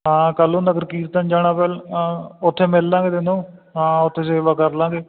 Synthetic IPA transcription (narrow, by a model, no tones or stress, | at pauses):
ãːkəlũːnəɡəɾkiːɾt̪ənd͡ʒaːɽãːpɛːlʊt̪ʰːeːmɪlːãːɡeːt̪ɪnũːɦãːʊt̪ʰːeːseːʋaːkəɾlãːɡeː